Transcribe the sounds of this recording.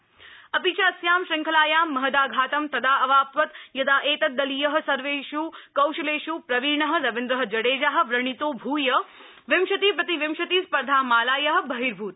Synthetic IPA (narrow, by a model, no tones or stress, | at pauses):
ɐpiːt͡ʃasjaːmʃɐŋkʰɐlaːjaːmɐɦd̪aːɡʱaːt̪ɐmt̪ɐd̪aːɐʋaːpʋɐt̪jɐd̪aːʔeːt̪ɐt̪̚d̪ɐlijɐɦɐ̆sɐɾʋeːʃuːkɐwʃɐleːʃuːpɾɐʋiːɾɳɐɦə̆ɾɐʋɪnd̪ɾɐɦə̆d͡ʒɐɽeːd͡ʒaːɦ̆ʋɾɐɳ̃it̪oːbʱuːjɐ | ʋɪmʃɐt̪iːpɾɐt̪iʋɪmʃɐt̪iːspɐɾd̪ʱaːmaːlaːjɐɦɐ̆bɐɦiːɾbʱuːt̪